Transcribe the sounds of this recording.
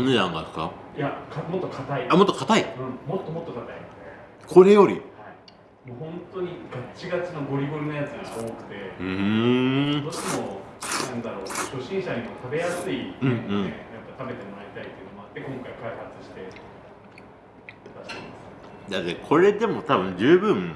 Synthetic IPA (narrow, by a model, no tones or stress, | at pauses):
anedãŋɡakɯ̥ka̰jakʰamo̞t̪ːo̞kʰat̪aiamot̪ːokat̪aiɯ̟̃ɴmo̞t̪ːo̞mo̞t̪ːokat̪ainod̪e | kʰo̞ɾe̞jo̞ɾʲḭhai | moːhõ̞nt̪o̞ɲ̟iɡat͡ɕiɡat͡ɕino̞ɡo̞ɾʲiboɾɯ̟nojat͡sɨɡaoːkɯ̟̥t̪e̞ɯ | d̪oːɕt̪emo̞ | nãnd̪aɾo̞ːkoɕo̞ɕĩɰ̃ɕaɲ̟imo̞t̪ʰabe̞jasɨieñːejapːat̪abe̞t̪e̞moaɾʲit̪ait̪ːeiɯ̟no̞mo̞at̪ːe̞kõ̞ŋkaikaihat͡sɨ̥ɕi̥t̪e̞ | t̪aɕi̥t̪emesɨd̪at̪ːekʰo̞ɾe̞d̪e̞mo̞t̪abɯ̟̃ɲd͡ʑɨːbɯ̟̃ŋ